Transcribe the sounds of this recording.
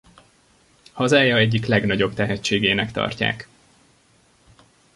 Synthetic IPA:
hɒzaːjɒɛɟːiklɛɡnɒɟo̞bt̪ɛɦɛt͡ʃːeːɡeːnɛkt̪ɒ̰rca̰ːk

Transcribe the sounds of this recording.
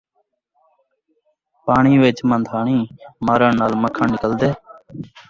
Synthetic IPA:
paːɳiːʋet͡ʃmə̃nd̪ʱaːɳĩːmaːɾəɳnːaːlməkʰəɳnːɪkəld̪eː

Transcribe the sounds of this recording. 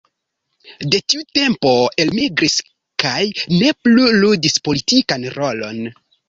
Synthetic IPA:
de̞tiute̞mpo̞e̞lmiɡɾis | kajne̞pluludispo̞litikanɾo̞lo̞̰n

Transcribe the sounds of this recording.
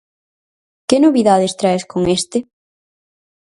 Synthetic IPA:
kenoβiðaðest̪ɾaeskoŋest̪ɪ

